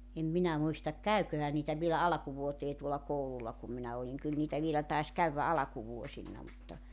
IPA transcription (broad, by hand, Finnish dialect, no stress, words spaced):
em minæ muistɑk kæykøhæ niːtæ ʋielæ ɑlɑ̆kuʋuoteː tuolɑ koululˑɑ kum minæ oliŋ kyl niːtæ ʋielæ tɑis kæyʋːæ ɑlɑkuʋuosinːɑ mutːɑ